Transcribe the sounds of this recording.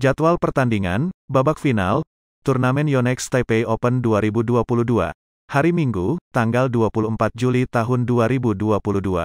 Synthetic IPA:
d͡ʒat̪walpərt̪andiŋa̰nbabak̚fina̰l | t̪urnamɛnjɔnɛkst̪apeiɔpənduaɾibuduapuludua̰ | haɾimiŋɡut̪aŋɡalduapuluəmpat̪̚d͡ʒulit̪aɦʊnduaɾibuduapuludua̰

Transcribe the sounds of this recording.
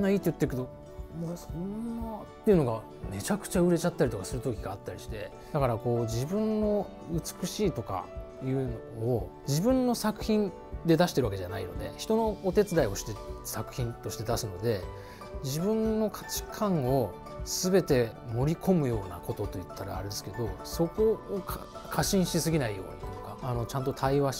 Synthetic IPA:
nːaiːt̪ojɯ̟t̪ːekɯt̪o̞ | sonːat̪ːe̞iɯ̟no̞ɡa | me̞t͡ɕakɯ̟̥t͡ɕaɯ̟ɾe̞t͡ɕat̪ːaɾʲit̪o̞kasɨɾɯ̟t̪o̞kʲiɡaːt̪ːaɾʲiɕi̥t̪e̞̰ | d̪̥akaɾako̞ːd͡ʑibɯ̟̃nːo̞ | ɯ̟t͡sɨ̥kɯ̟ɕiːt̪o̞ka̰ | jɯ̟ːnoː | d͡ʑibɯ̟̃nːo̞sakɯ̟̥çĩn | d̪e̞d̪aɕi̥t̪e̞ɾβake̞d͡ʑanaino̞̰d̪e̞̰çi̥t̪o̞no̞ːt̪e̞t͡sɨd̪aio̞ɕi̥t̪e̥sakɯ̟̥çĩnt̪o̞ɕi̥t̪e̞d̪asɨno̞d̪e̞ | d͡ʑibɯ̟̃nːo̞kʰḁt͡ɕi̥kʰãɰ̃o̞ | sɨbe̞t̪e̞mo̞ɾʲikʰo̞mɯ̟jo̞ːnako̞t̪o̞t̪o̞jɯ̟t̪ʰːaɾa̰ːɾe̞d̪e̞sɨ̥ke̞d̪o̞so̞ko̞ːkʰkʰaɕĩɰ̃ɕisɨɡʲinaijo̞̰ːɲit̪okaːno̞t͡ɕãnt̪̬o̞t̪ʰaiβa

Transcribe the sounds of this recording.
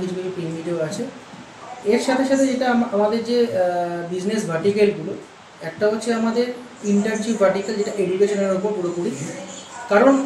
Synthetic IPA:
kit͡ɕʰukit͡ɕʰupɾimiʈeoat͡ɕʰe | eɾʃat̪ʰeʃat̪ʰed͡ʑeʈamamad̪eɾd͡ʑebid͡ʑnes̬bʱaɾʈikelɡulu | ɛk̚ʈaɦotːɕʰeamad̪eɾ | iɳʈɐɾt͡ɕubʱaɾʈikeld͡ʑeʈaʔeɖukeʃoneɾupoɾpuɽopuɽi | kaɾon

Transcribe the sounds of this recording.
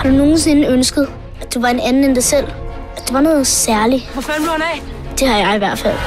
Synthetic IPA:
hɑ̈d̥uno̝ːn̩s̬e̝nəønsɡ̥əð̞̩ˠ | æd̥uʋɑ̈e̝nænn̩end̥ɑ̈ɪsel̰ | æd̥e̝ʋɑ̈nɔ̽ːð̩ˠsæɐliʋɒfænd̥uænɛ | d̥e̝hɑ̈jɑ̈ɪiʋæɐ̰d̥fæl̰

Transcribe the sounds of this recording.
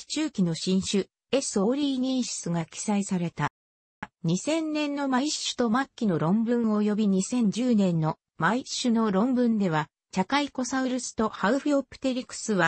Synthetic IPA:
i̥t͡ɕɨːkʲino̞ɕĩɰ̃ɕɨ | e̞so̞ːɾʲiːɲ̟ĩɰ̃ɕi̥t͡sɨɡakʲi̥saisaɾe̞t̪a | ɲ̟isẽ̞nːẽ̞nːo̞maiɕɨ̥t̪o̞makʲːino̞ɾõ̞mbɯ̟̃ɰ̃o̞jo̞bʲiɲ̟isẽ̞ɲ̟d͡ʑɨːnẽ̞nːo̞ | maiɕɨno̞ɾõ̞mbɯ̟̃nd̪e̞βa | t͡ɕakaiko̞saɯ̟ɾɯ̟sɨ̥t̪o̞haɯ̟ɸɯ̟opɯ̥t̪e̞ɾʲikɯ̥sɨβa

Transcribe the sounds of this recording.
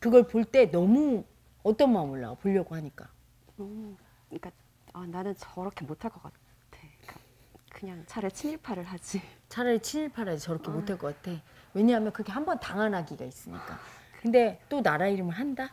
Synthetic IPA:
kɯɡʌɭpoɭt͈e̞nʌmu | ʌt͈ʌnmaɯmɯɭːa̰wpoʎːʌɡohaɲik͈a | ɯ | ik͈a | ananɯnt͡ɕʌɾʌkʰe̞motʰaɭk͈ʌk͈a | tʰeik͈a | kɯɲaŋt͡ɕʰaɾet͡ɕʰiɲiɭpʰaɾɯɭɦad͡ʑit͡ɕʰaɾɯt͡ɕʰiɲiɭpʰaɾɦad͡ʑit͡ɕʌɾʌkʰe̞motʰaɭk͈ʌk͈atʰe̞we̞ɲaɦamjʌnkɯkʰeɦambʌntaŋanɦaɡiɡa̰is͈ɯmɲḭk͈a̰kkɯnde̞t͈onaɾaiɾɯmɯɭɦanda

